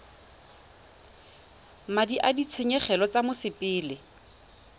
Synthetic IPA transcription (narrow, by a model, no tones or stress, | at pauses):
madiʔadit͡sʰeɲɛχɛlɔt͡samʊsɪpʼɪːlɪ